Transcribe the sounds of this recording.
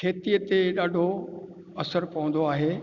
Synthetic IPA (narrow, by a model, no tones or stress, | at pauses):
kʰeːt̪ijət̪eɗaːɖʱo | ɐsəɾpɐʋə̃nd̪oaːɦeː